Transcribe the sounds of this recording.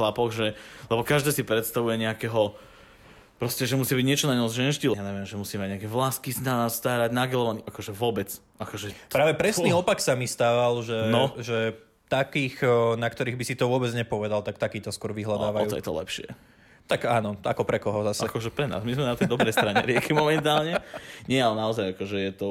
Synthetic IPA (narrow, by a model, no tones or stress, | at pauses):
lapɔɣʒɛlɛbɔkaʒd̪ɛːsipɾɛt̪st̪aʋujɛɲɛakɛɦɔ | pɾɔscɛʒɛmusiabiɟɲɛt͡ʃɔnaɲɔzʒɛnʒɟilɛjaɲɛʋiɛmʒɛmusiːmaɟɲɛakɛvlaskisnast̪aːɾaɟnaɡɛlɔʋaniʔakɔʒɛʋʊɔbɛt͡s | ʔakɔʒɛpɾaːʋɛpɾɛsniːɔpaksamist̪aːʋalʒɛnɔʒɛ | t̪akiːxnakt̪ɔɾiːɣbisit̪ɔʋʊɔbɛd͡zɲɛpɔʋɛd̪alt̪akt̪akiːt̪ɔskʊɔɾʋiɦlad̪aːʋajuːɔ̰jɛ̰t̪ɔ̰lɛ̰pʃɪɛ̰ | t̪aɡaːnɔa̰kɔpɾɛkɔɦɔzasɛkɔʒɛpɾɛna̰ːzmizmɛnat̪ɛjd̪ɔbɾɛjst̪ɾaɲɛ̰ɾɪɛkimɔmɛnt̪aːlɲɛɲɪɛalɛnaɔzajakɔʒɛjɛt̪ɔ